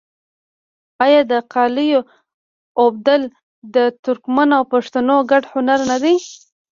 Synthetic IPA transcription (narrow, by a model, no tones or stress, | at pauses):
ajɑd̪əqɑlijo | ob̚d̪əl | d̪ət̪ʊɾkmanawpaʂt̪anoɡaɖhʊnaɾnad̪e